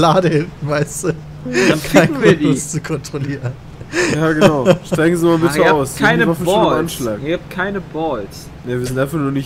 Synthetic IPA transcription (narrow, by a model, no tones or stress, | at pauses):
laːdəɪmvaɪstu | aaɪɐdʊst͡sukʰɔntʁ̥oliːʁən | jaːɡənaʊʃtʁaɪɡŋ̩zimabɪtəaʊskʰaɪnəmafɔanʃlaːkɡaːp̚t̚kʰaɪnəbɔls | naviɐzɪntʔaɪnfaχnuːɐnɪç